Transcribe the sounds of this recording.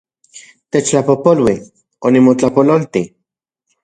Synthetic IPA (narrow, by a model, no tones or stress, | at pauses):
t̪et͡ʃlapopolwi | onimot͡ɬapololt̪i